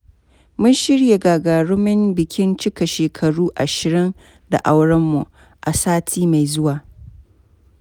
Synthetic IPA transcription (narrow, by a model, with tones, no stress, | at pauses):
mʊ˦nʃɪ˦ɽje˨ɡaː˨ɡaː˨ɽʊ˦mɪ˦mbɪ˨kʲɪ˦nt͡ʃɪ˦ka˨ʃeː˨kʰɐ˨ɽuː˦ʔa˨ʃɪ˨ɾɪ˦n | da̰˨ʔa˦wɽɐ˦mːu˨ | ʔa˨saː˦tʰiː˦ma˨jzʊ˦waː˨